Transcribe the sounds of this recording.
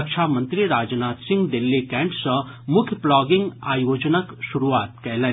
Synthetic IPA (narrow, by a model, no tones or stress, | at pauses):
kʃʰaːmɐnt̪ɾiɾaːd͡ʒnaːt̪sĩŋɡd̪elːikɛ̃ɳʈsɐ̃ | mʊkʰjəplaːɡiŋɡaːjoːd͡ʒnəkʃuɾuʋaːt̪kɛɦlən